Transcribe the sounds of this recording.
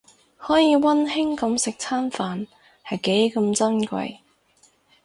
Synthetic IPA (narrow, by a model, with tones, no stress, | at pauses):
hɔː˨˥jiː˨˧wɐ˥nhɪ˥ŋkɐ˨˧˥msɪ˨k̚t͡sʰaː˥nfaː˨n | hɐ˨jke˨˥jkɐ˧mt͡sɐ˥nkʷɐ̰˨˧j